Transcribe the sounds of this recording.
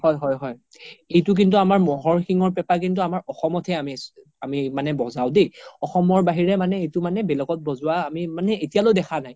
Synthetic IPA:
hɔjɦɔjɦɔj | ejtʊk̬intuamaɹmɔɦɔɹxiŋɔɹpɛpak̬int̬uamaɹʔɔxɔmɔtʰɛami | amimanɛbɔzawdeɔxɔmɔɹbaɦiɹɛmanɛejtʊmanɛbɛlɔɡɔt̚bɔzʊwaːmimanɛetijalodɛxʰanaj

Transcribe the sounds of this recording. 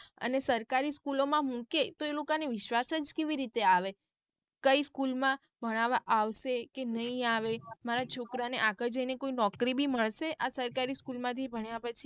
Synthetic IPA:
ə̰nesəɾkaɾiskulomãmũket̪oelokaneʋɪʃʋasəd͡ʒkeʋiɾit̪eaʋe | kəiskulmã | bʱəɽ̃aʋaʔaʋʃekenəɦĩaʋemaɾat͡ʃʰokɾaneʔaɡəɾd͡ʒəinekoinɔkɾibʱiməɭʃeʔasəɾkaɾiskulmãt̪ʰibʱəɳjapət͡ʃʰi

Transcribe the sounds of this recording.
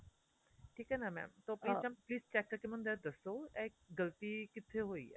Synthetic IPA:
ʈʰiːkɦɛːnɐmɛ̰ːmt̪oːpliːɛmpliːst͡ʃɛːkːəɾkemɐ̃nd̪ɛd̪ɐsoːɛk̚ɡɐlt̪ikɪt̪ʰːeɦoːḭɛ̰

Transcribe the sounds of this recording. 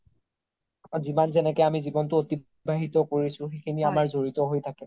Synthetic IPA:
zimanzɛnɛkɛjamizibɔntʊoti | bʱaɦitɔkoɹisʊ̃xekʰiniamaɹzoɹitɔɦojtʰakɛ

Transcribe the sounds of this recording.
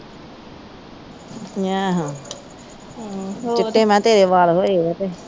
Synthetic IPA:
jaːɦãː | t͡ʃɪʈːeːmɛ̃ːt̪eːɾeːʋaːlɦoːeɛt̪eː

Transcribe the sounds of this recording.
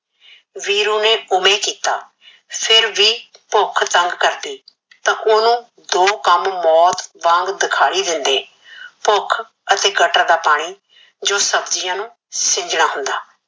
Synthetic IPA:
ʋiːɾoːneːʊmẽːkiːt̪aː | pʰɪɾʋiːpʊkʰt̪əŋɡkəɾd̪iː | t̪ãːʔoːnũː | d̪oːkəmmɔːt̪bãːŋɡd̪ɪkʰaːɽiːd̪ɪnd̪eː | pʊkʰ | ət̪eːɡəʈaːd̪aːpaːɽ̃iː | d͡ʒoːsəbd͡ʒijãːnũː | sɪ̃ɲd͡ʒnaːɦʊ̃nd̪aː

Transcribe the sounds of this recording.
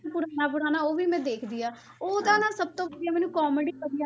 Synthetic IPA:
pʊɾaːnaːp̬ʊɾaːnaːoːʋiːmɛ̃ːd̪eːkʰd̪ɪːaː | oːd̪aːnãːsəb̚t̪õːd̪ijaːmɛːnũːkɔːmeːɽiəda

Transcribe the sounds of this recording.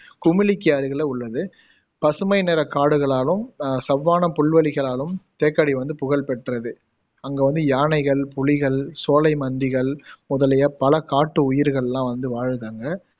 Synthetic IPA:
kʊmɪlɪkːɪjaːɾɯɣɐɭeːʊɭːɐðɯ | pɐsɯmɐɪnɛɾɐkaːɽɯɣɐɭaːlɯmsɐʋːaːnɐpʊɭʋɐɭɪɣɐɭaːlɯmt̪eːkːɐɽiʋɐnd̪ɯpʊɣɐɭpɛʈrɐðɯ | ɐŋɡeːʋɐnd̪ɯjaːnɐɪɣɐɭpʊlɪɣɐɭsoːlɐɪmɐnd̪ɪɣɐɭmʊðɐlɐjɐpɐlɐkaːʈːɯʊjɪɾɣɐɭɛlːãːʋɐnd̪ɯʋaːɻðaːŋɡɐ

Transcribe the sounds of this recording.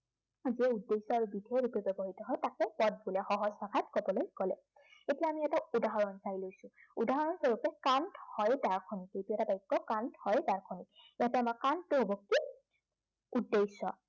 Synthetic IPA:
ziɛudːejsɔaɹubidʱeɹupɛbɛbɔɦitɔɦɔjtakɛpɔd̚bulɛxɔɦɔzbakʰatkɔbɔlojkɔlɛ | etijajamiɛtaudaɦɔɹɔnsaɹilojsʊ̃udaɦɔɹɔnsɔɹupɛkanthɔjdaɹkʰɔnikejtuɛtabajkːɔkanthɔjdaɹkʰɔnik̚jatɛamakantʊɦobɔkːi | udːejsɔ̰

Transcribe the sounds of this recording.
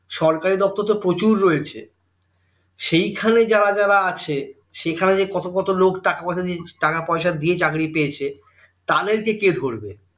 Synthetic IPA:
ʃɔɾkaɾid̪ɔp̚t̪oɾt̪opɾot͡ɕuɾːoet͡ɕʰḛ | ʃejkʰaned͡ʑaɾad͡ʑaɾaat͡ɕʰe | ʃekʰaned͡ʑekɔt̪okɔt̪olokʈakapaʃʰad̪iʈakapɔeʃad̪iet͡ɕakɽipeet͡ɕʰe | t̪ad̪eɾkeked̪ʱoɾbe

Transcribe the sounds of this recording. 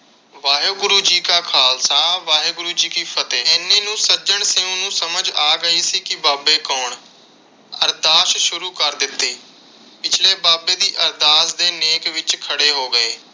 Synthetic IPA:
ʋaːɦeɡʊɾuːd͡ʒiːkaːkʰaːlsãːʋaːɦeːɡʊɾuːd͡ʒiːkiːpʰət̪eːɛːnːẽːnũːsəd͡ʒəɳseːõːnũːsəməd͡ʒaːɡəiːsiːkɪbaːbeːkɔːɳ | əɾd̪aːʃʃʊɾuːkəɾd̪ɪt̪ːeː | pɪt͡ʃʰleːbaːbeːd̪iːʔəɾd̪aːsd̪eːneːkʋɪt͡ʃkʰəɽeːɦoːɡəeː

